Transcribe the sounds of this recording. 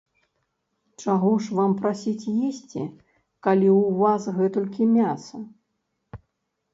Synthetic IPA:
t͡ʂaɣɔʂvampɾasʲit͡sʲjesʲt͡sʲḭ | kalʲiwvasɣɛt̪ɔlʲkʲimʲasɐ

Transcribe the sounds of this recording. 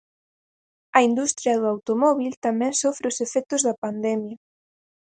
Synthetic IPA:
ɐind̪ust̪ɾjɐðoawt̪omɔβilt̪amɛŋsofɾeosefɛk̚t̪ʊzðɐpand̪ɛmjɐ

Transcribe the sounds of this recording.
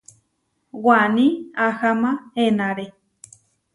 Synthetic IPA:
wanĩahamãenãɾe

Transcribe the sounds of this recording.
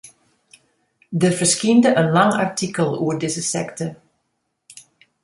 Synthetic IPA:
dəfərskindəʔənlɑŋa̰rtʰikəlˠṵərdɪzəsɛ̰ktə

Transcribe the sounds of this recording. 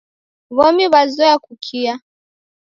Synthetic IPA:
βɔmiβazɔjakukʰia

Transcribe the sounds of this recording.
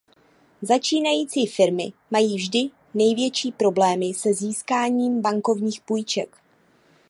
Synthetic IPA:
zat͡ʃiːnajiːt͡siːfɪɾmɪ̰majiːvʒdɪ | nɛjvjɛt͡ʃiːpɾo̞blɛːmɪsɛziːskaːɲiːmbaŋko̞vɲiːxpujt͡ʃɛk

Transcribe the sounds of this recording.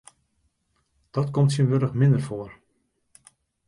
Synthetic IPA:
d̥ɑtkɔmtsənʋøɾəχmɪndərfoər

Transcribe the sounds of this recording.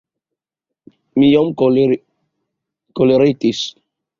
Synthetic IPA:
mijɔm | koleɾet̪is

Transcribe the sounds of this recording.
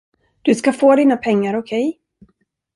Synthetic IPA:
d̪̥ɵskafoːd̪iːnapʰɛŋːaɾɔkʰɛj

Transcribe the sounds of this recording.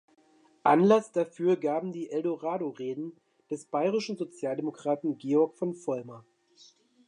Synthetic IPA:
ʔa̰nlasd̥afyːɐɡaːbm̩diːʔɛldoʁaːdoʁeːdn̩ | d̥ɛsb̥aɪʁɪʃn̩zot͡sjaːldemokʁ̥aːtn̩ɡeːɔɐkfɔnfɔlmɐ

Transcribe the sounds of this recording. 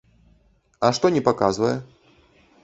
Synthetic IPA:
ɐʂt̪ɔnʲɛpakazvɐjɛ

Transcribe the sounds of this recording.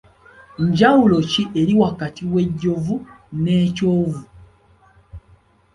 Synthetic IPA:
ɲɟawulo̞ciʔe̞ɾiwakatiwe̞ɟːo̞vu | ne̞ːco̞ːvu

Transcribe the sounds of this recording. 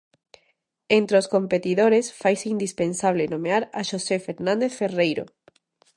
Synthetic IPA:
ent̪ɾeoskompet̪iðoɾesfajseind̪ispensaβ̞lenomeaɾaʃosefeɾnãnd̪eθferejɾo̰

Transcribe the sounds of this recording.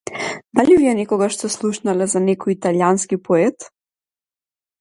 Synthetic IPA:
d̪aliviɛnɛkɔɡaʃsɛslˠuʃnalɛzanɛkɔjit̪aljanskipɔɛt̪

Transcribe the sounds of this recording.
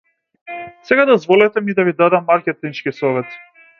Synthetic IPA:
sɛɡad̪ɔzvɔlɛt̪ɛmid̪avid̪ad̪amːaɾkʲɛt̪int͡ʃkisɔvɛt̪

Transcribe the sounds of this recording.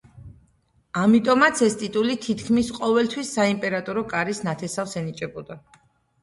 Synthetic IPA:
amit̪ʼɔmat̪sʰɛst̪ʼit̪ʼulit̪ʰit̪ʰkʰmisqʼɔvɛlt̪ʰwisːaimpʼɛɾat̪ʼɔɾɔkʼaɾisnat̪ʰɛsafsɛnit͡ʃʼɛbɔd̪a

